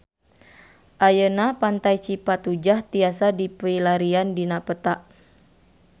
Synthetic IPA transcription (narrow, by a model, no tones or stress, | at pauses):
ʔajənapant̪ajt͡ʃipat̪ud͡ʒaht̪iasadipəilaɾiandinapət̪aʔ